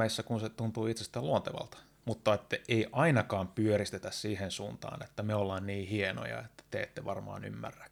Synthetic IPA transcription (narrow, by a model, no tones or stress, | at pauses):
æisːækunset̪unt̪uːit̪sest̪æːluont̪eʋɑ̰lt̪ɑ̥ | mut̪ːɑet̪ːæʔeiʔɑinɑkɑːmpyørist̪et̪æssiːhensuːnt̪ɑ̰ːnḛt̪ːæmeolːɑːnniːhieno̰jɑ̰et̪ːæ̥t̪ḛːt̪ːeʋɑrmɑ̰ːny̰mːæ̰rːæ̥k